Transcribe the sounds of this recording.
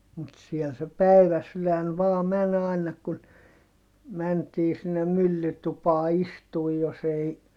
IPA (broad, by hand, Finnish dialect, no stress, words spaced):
mut siɛl se pæiʋæsylæn ʋɑː mæn ɑˑi̯nɑ kun mæntiː sinːem mylːytupɑː istuː jos ei